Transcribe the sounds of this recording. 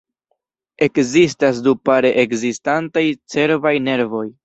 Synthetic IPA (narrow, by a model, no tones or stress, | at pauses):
e̞kzistas̬dupaɾe̞ʔekzistantajt͡se̞ɾvajne̞ɾvo̞j